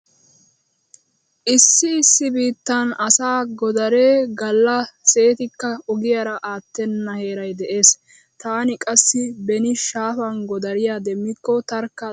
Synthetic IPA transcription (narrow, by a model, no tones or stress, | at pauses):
ʔɪsːɪɪsːɪbiːt̪ːɐnɐsaːɡɔd̪ɐɾe̞ːɡɐlːɐse̞ːt̪ɪkːɐɔɡɪjɐɾɐʔaːt̪ːɛnːɐhe̞ːɾɐjd̪ɛʔe̞ːs | t̪aːnɪkʼɐsːɪbɛnɪʃaːfɐnɡɔd̪ɐɾɪjaːd̪ɛmːɪkːɔt̪ɐɾkːɐ